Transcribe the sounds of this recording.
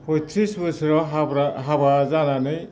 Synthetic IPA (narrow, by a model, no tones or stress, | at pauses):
pʰɔtʰisbɯsɾɔɾaɦabazananɯj